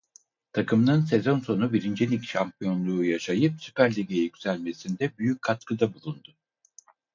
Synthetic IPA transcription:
t̪ʰakʰɯmnɯnse̞zo̞nso̞nubiɾind͡ʒenicʃampʰijo̞nlˠuːjaʃajɯpsy̥pʰæɾlʲiɟejyɟyzælʲme̞sind̪ɛbyjyc̚kʰːat̪kʰɯd̪abulˠund̪ʊ

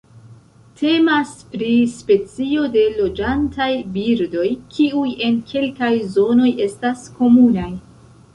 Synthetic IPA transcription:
tʰe̞maspɾispe̞t͡sio̞de̞lo̞d͡ʒantajbiɾdo̞jkʰiuje̞nkʰe̞lkajzo̞no̞je̞stasko̞munaj

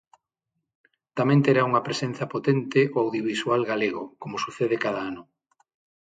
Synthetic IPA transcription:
t̪amẽnt̪eɾauŋɐpɾesen̟θɐpot̪ent̪ɪʔoawðjoβiswalɣaleɣʊ̰komʊsuθeðekaðaanʊ

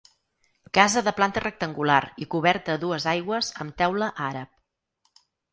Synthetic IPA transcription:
kazəðəplant̪ərək̚t̪əŋɡulaɾikuβ̞ɛɾt̪əːðuəzajɣwəzəmt̪ɛwləʔaɾəp̚

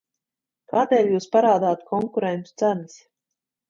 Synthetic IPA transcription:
kaːd̪eːlʲjuːspaɾaːd̪aːt̪kʰɔŋkuɾɛnnt̪u̥t̪sænɨs

